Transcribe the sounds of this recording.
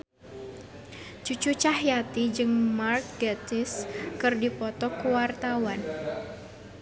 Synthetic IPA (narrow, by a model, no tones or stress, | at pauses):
t͡ʃut͡ʃut͡ʃahjat̪id͡ʒɨŋmark̚ɡat̪ɪskɨrdipɔt̪ɔkuwart̪awan